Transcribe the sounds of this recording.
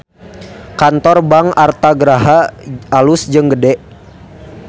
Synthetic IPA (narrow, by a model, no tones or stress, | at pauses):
kant̪ɔrbaŋart̪aɡəɾaɦaalusd͡ʒəŋɡədɛʔ